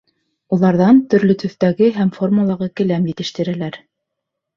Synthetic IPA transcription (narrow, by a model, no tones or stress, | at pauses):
ulˠɑɾðɑnt̪ɵ̆ɾlɵt̪ɵ̆θt̪æɡɘɦæmfo̞rmulˠɑʁɤkɘ̆læmjɘ̆t̪ɘ̆ʃt̪ɘ̆ɾælæɾ